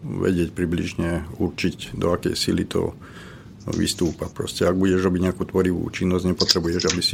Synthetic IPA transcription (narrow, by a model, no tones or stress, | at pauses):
ʋɛ̰ɟɪɛcpɾiblḭʒɲɛuɾt͡ʃiɟd̪ɔakɛ̰jsilḭt̪ʰɔ̰ | ʋḭst̪uːpapɾɔ̰scɛaɡ̚buɟɛʒɾɔbiɟɲɛakuːt̪ʋɔɾiʋṵːt͡ʃinːɔzɟɲɛpɔt̪ɾɛbujɛʒabisi